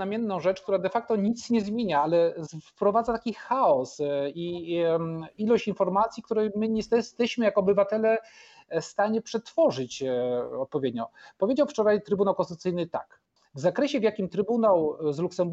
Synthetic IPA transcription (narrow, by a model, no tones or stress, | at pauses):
amʲjɛnːɔ̃w̃ʐɛt͡ʂk̚t̪uɾad̪ɛfak̚t̪ɔɲit̪sɲɛzmʲjeɲaalɛfpɾɔvad̪zat̪akʲixaɔsi | ilɔɕt͡ɕinfɔɾmat̪sʲjikt̪uɾɛjmɘɲɛst̪ɛst̪ɛɕmɘjakɔbɘvat̪ɛlɛ | st̪aɲɛpʂɛt̪fɔʐɘt͡ɕɔt̪̚pɔvʲjed̪ɲɔpɔvʲjed͡ʑawft͡ʂɔɾajt̪ɾɘbunawkɔ̃sut̪ɘjnɘt̪ak | vzakɾɛɕɛvʲjakʲimt̪ɾɘbunawzluksɛmb